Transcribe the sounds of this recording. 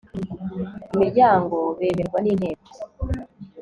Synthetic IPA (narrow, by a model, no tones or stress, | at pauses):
imiɾɟaːŋɡo̞βemeɾɡwaniːnhe̞ːko̥